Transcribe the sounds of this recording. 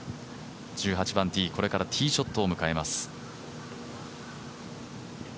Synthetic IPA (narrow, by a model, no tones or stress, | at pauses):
d͡ʑɨːɦat͡ɕibãnt̪ʲiːko̞ɾe̞kaɾat̪ʲʰiːɕo̞t̪ːoːmɯ̟kae̞masɨ̥